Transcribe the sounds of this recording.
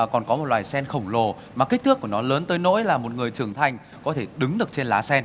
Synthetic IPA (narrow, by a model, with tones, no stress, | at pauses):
kɔ˨˩nkɔ˨˦mo˨˩t̚lwaː˨˩jsɛ˧nxə˧˩wŋ͡mlo˨˩ | maː˨˩ki˦˥k̚t̪ʰɨ˦˥əkːu˧˩ənɔ˨˦ləː˨˦nt̪əː˨˦jno̰˧˥jlaː˨˩mo˨˩t̚ŋɨ˨˩əjt͡ɕɨ˨˩əŋt̪ʰa˧jŋ̟ | kɔ˨˦t̪ʰe˧˩ɗɨ˨˦ŋɗɨ˨˩ək̚t͡ɕe˧nlaː˨˦sɛ˧n